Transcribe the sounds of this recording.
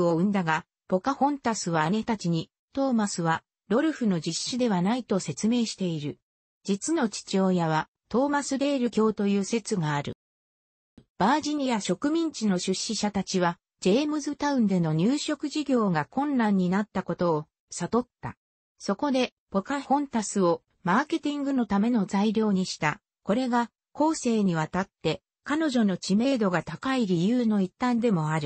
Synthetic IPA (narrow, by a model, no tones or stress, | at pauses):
o̞ɯ̟̃nd̪aɡa | po̞kahõ̞nt̪asɨβaːne̞t̪at͡ɕiɲ̟i | t̪o̞ːmasɨβa | ɾo̞ɾɯ̟ɸɯ̟no̞d͡ʑiɕːid̪e̞β̞anait̪o̞se̞t͡sɨme̞ːɕi̥t̪e̞iɾɯ̟ | d͡ʑit͡sɨno̞t͡ɕi̥t͡ɕioːjaβ̞a | t̪o̞ːmasɨd̪e̞iɾɯ̟kʲo̞ːt̪o̞jɯ̟ːse̞t͡sɨɡaːɾɯ̟̰ | b̥aːʑiɲ̟ijaɕo̞kɯ̟mʲĩɲ̟t͡ɕino̞ɕɨɕːiɕat̪at͡ɕiβa | d͡ʑe̞ːmɯ̟zɨt̪aɯ̟̃nd̪e̞no̞ɲ̟ɨːɕo̞kɯ̟ʑiɡʲo̞ːɡakõ̞nːãɲ̟ːinat̪ːako̞t̪o̞ː | sat̪o̞t̪ːa̰ | so̞ko̞d̪e̞ | po̞kahõ̞nt̪asɨo̞ | maːke̞t̪ʲĩŋɡɯ̟no̞t̪ame̞no̞zaiɾʲo̞ːɲ̟iɕi̥t̪a | ko̞ɾe̞ɡa | ko̞ːse̞ːɲ̟iβ̞at̪at̪ːe̞ | kano̞ʑo̞no̞t͡ɕime̞ːd̪o̞ɡat̪akaiɾʲijɯ̟ːno̞it̪ːãnd̪e̞mo̞aɾɯ̟